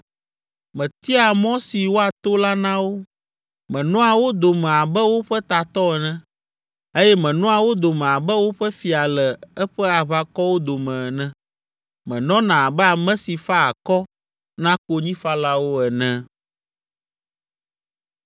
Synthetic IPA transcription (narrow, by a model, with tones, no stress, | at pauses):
mɛ̃˨t̪i˦a˨mɔ̃˦si˨wo˦a˨t̪o˦la˦nã˦wo˦ | mɛ̃˨nɔ̃˦a˨wo˦d̪o˨mɛ̃˨a˨bɛ˦wo˦ɸɛ˦t̪a˨t̪ɔ˦ɛ˨nɛ̃˦ | e˦jɛ˦mɛ̃˨nɔ̃˦a˨wo˦d̪o˨mɛ̃˨a˨bɛ˦wo˦ɸɛ˦fi˨a˨lɛ˨ɛ˦ɸɛ˦a˨βa˦kɔ˦wo˦d̪o˨mɛ̃˨nɛ̃˦ | mɛ̃˨nɔ̃˦nã˨a˨bɛ˦a˨mɛ̃˦si˨fa˦a˨kɔ˦ | nã˦ko˦ɲĩ˦fa˦la˦wo˦ɛ˨nɛ̃˦